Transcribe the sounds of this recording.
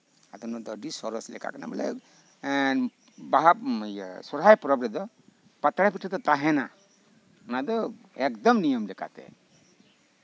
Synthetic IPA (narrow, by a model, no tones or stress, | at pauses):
at̪ɔnɔd̪ɔɖisɔɾɔslɛ̰ka̰kna̰bɛ̰lḛ | baɦasɔɾajpɾɔbɾɛd̪ɔ | pat̪ɾapʰiʈʰed̪ɔt̪aɦɛna | unad̪ɔ | ekd̪ɔmnijɔmleka̰t̪ḛ